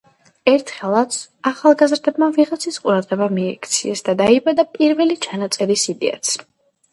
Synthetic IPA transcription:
ɛɾt̪ʰχɛlˠat̪saχalˠɡazɾd̪ɛbmaviʁat̪sʰisqʼuɾad̪ʁɛbamiɛkʰt̪sʰiɛsd̪ad̪aibad̪apʼiɾvɛlit͡ʃʰanat̪sʼɛɾisid̪ɛ̰a̰t̪sʰ

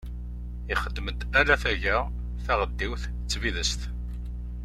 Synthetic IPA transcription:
iχəd̪ːməd̪ælæθæʝæ | θæʁəd̪ːiwθ | t͡sːviðəst̪

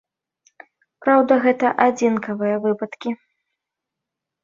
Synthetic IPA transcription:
pɾawd̪ɐɣɛt̪ɐʔad͡zʲinkɐvɨjɐvɨpɐt̪kʲi

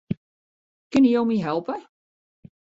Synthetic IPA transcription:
kɪnijowmiɦɛlˠpə

